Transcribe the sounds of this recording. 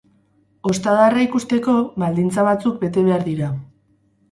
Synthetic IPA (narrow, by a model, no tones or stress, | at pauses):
o̞st̪aðaraikust̪e̞ko̞βald̪int͡saβat͡suk̚be̞t̪e̞βe̞aɾðiɾa